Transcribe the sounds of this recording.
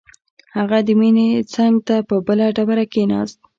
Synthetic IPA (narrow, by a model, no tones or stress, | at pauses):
haɣad̪əminet͡saŋɡt̪apəbəlaɖabaɾakenɑ̰st̪̚